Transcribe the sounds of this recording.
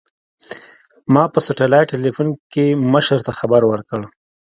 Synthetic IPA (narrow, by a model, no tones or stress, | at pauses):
mɑpəsaʈalɑjʈelifunkeməʃəɾt̪axabaɾwəɾkəɽ